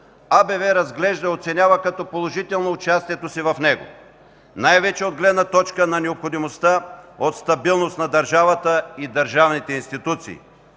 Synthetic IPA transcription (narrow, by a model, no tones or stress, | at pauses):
abɛvɛɾɐzɡlɛʒd̪əot̪sɛnʲavəkɐt̪ɔpolˠoʒit̪ɛlˠnoːt͡ʃast̪iɛt̪osivɐfnɛɡo̰ | najvɛt͡ʃɛod̪̚ɡlɛd̪nɐt̪ɔt͡ʃkənɐnɛopxod̪imost̪aot̪st̪ɐbilˠnost̪nɐd̪ɐɾʒavɐt̪əid̪ɐɾʒavnit̪ɛinst̪it̪ut̪sḭː